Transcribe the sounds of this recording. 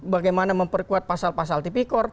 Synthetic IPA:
baɡajmanaməmpərkuat̪̚pasalpas̬alt̪ipikɔr

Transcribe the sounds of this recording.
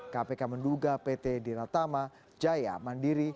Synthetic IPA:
kapekamənduɡapet̪ediɾat̪ama | d͡ʒaja̰mandiɾi

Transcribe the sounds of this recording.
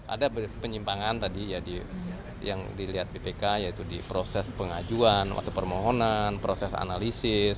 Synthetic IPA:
ʔa̰dabəpəɲimpaŋant̪adijadi | jaŋdiliɦat̪̚bepekajait̪udipɾosɛspəŋad͡ʒuana̰t̪upərmoɦonanpɾosɛsa̰nalisɪs

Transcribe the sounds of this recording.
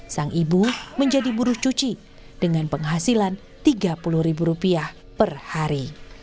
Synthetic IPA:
saŋʔibuməɲd͡ʒadibuɾʊht͡ʃut͡ʃi | d̥əŋanpəŋɦasilan | t̪iɡapulʊhɾibuɾupiah | pərhaɾi

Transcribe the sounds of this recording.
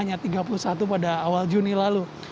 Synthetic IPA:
aɲat̪iɡapulusat̪upadaːwald͡ʒunilalu

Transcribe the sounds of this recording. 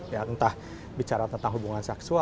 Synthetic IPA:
jat̪ənt̪ah | bit͡ʃaɾat̪ənt̪aŋɦubuŋansɛksua

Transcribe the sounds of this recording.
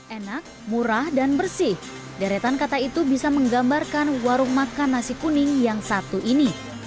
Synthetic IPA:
enak̚muɾahdanbərsɪh | daɾet̪ankat̪ait̪ubisaməŋɡambarkanwaɾʊŋmakanːasikunɪŋjaŋsat̪uʔini

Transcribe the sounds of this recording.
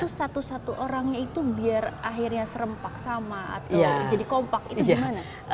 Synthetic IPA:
t̪usat̪usat̪uʔoɾaŋɲait̪ubiaraɦirɲasəɾəmpak̚samaa̰t̪aad͡ʒadikɔmpakit̪uɡimana

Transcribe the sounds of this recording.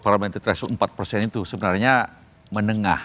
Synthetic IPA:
paɾamɛnt̪it̪ɾɛsuəmpat̪̚pərsɛnit̪usəbənarɲa | mənəŋa̰h

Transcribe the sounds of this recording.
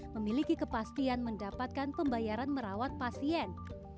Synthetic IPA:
məmilikikəpast̪ianməndapat̪̚kanpəmbajaɾanməɾawat̪̚pasiɛn

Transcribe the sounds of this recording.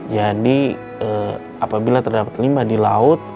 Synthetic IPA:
d͡ʒadi | ə | apabilat̪ərdapat̪limadilaʊt̪̚

